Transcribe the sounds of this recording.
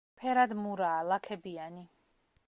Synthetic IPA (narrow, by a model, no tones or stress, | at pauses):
pʰɛɾad̪muɾaːlakʰɛbiani